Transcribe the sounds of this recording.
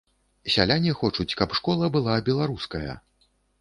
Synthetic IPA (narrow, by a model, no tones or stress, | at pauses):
sʲa̰lʲanʲixɔt͡ʂut͡sʲkɐpʂkɔlˠɐbɨlˠabʲɛlˠaɾuskɐjɐ̰